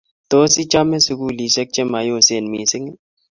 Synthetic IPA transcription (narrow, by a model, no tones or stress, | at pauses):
t̪oːsit͡ʃaːmẽsʊkuːliːsɐk̚t͡ʃemaːjoːseːnmiːsɪŋ